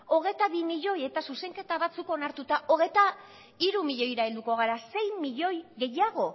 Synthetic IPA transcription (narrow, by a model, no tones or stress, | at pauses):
o̞ɣ̞e̞t̪aβimiʎo̞je̞t̪asuse̞ŋke̞t̪aβat͡suko̞naɾt̪ut̪aʔo̞ɣ̞e̞t̪a | iɾumiʎo̞jɾaeld̪uko̞ɣ̞aɾase̞jmiʎo̞jɣe̞jaɣ̞o̞